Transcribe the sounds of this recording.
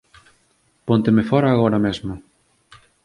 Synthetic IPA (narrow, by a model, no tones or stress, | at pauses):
pont̪emefɔɾaːɣ̞ɔɾɐmezmʊ